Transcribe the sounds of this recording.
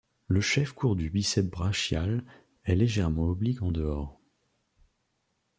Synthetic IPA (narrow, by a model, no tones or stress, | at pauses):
ləʃɛfkʰuʁd̪ybisɛbʁaʃjal | ɛleʒɛʁmɑ̃ɔblikɑ̃d̪əɔːʁ